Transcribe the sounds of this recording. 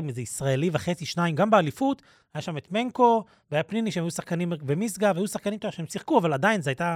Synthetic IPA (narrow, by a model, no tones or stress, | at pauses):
imezeisʁaeliveχet͡siʃnaimɡambealifut̪ | hajaʃame̞t̪me̞ŋko̞ | veajapniniʃeemajusaχkanimbemisɡavajusaχkanimt̪oʃeemsiχkuavalad̪ainzeajta